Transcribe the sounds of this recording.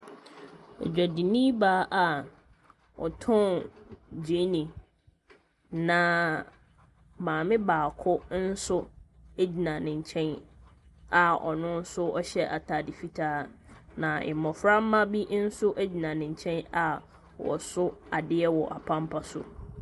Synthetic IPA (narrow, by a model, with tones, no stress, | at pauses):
ɛ̰˨d͡ʑᶣa˨di˨nĩ˦baː˨˦ʔa˨ | ɔ̰˨tʰɔ̃˦˨nd͡ʑe˨˦nĩ˨ | nã˨ | mãː˨mɪ̃˦baː˨kʰʊ˦n̩˦sʊ˦e˦d͡ʑi˨nã˨nɪ̃˨ɲ˨t͡ɕʰɛ̃˦n | a˨ɔ̰˨nʊ̃˦n̩˦sʊ˦ɔ˦ɕɛ˦ʔa˨tʰa˨dɪ˨fi˦tʰaː˦nã˨ɪ̰˨mɔ̃˨fɾa˦m̩˦mã˦bi˦n̩˦sʊ˦ʔæ˦d͡ʑi˨nã˨nɪ̃˨ɲ˨t͡ɕʰɛ̃˦na˨ | wɔ̰˨sʊ˦a˨dɪ˦ɛ˦wɔ˨ʔa˨pʰã˦mpʰa˦sʊ̰˨